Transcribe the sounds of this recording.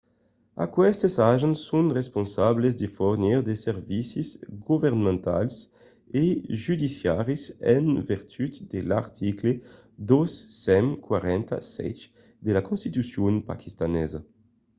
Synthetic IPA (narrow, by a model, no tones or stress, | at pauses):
a̰kwɛst̪esaʒensːunʁesponsablezd̪efoɾniʁd̪eseɾvisizɡuveɾnmẽnt̪a̰ls | eʒyd̪isjaɾisɛ̰nviɾt̪ʰyt̪d̪elaɾt̪ʰikle | d̪osːɛmkwaɾɛnt̪a̰sɛ̰t͡ʃ | d̪elakõnst̪it̪ysjonpa̰kʰist̪anɛza